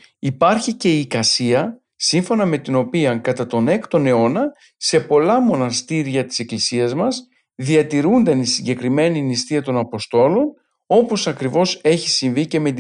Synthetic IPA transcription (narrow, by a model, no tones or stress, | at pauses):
ipɐɾçice̞ikɐsiɐ | siɱfo̞nɐme̞t̪ino̞piɐŋkɐt̪ɐt̪o̞ne̞kt̪o̞ne̞o̞nɐ | se̞po̞lɐmo̞nɐst̪iɾʝɐt̪i̥se̞klisiɐzmɐs | ðiɐt̪iɾund̪ɐnisiɲɟe̞kɾime̞ninist̪iɐt̪o̞nɐpo̞st̪o̞lo̞n | o̞po̞sɐkɾivo̞se̞çisiɱvice̞me̞t̪